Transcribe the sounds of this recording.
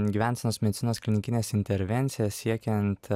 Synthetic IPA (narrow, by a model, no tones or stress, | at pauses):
ɡʲiːʋʲænʲtsʲɛnoːsmʲɛd̪ʲɪt̪sʲɪnoːsklʲɪnʲɪkʲɪnʲeːsɪnʲt̪ʲɛɾʲʋʲɛnʲt̪sʲɪjɛssʲiɛkʲɛnt̪